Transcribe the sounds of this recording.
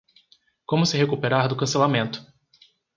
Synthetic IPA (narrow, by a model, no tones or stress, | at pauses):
kõmʊsɪɦekupeɾaɾd̪ʊkɐ̃selamẽnt̪ʊ̥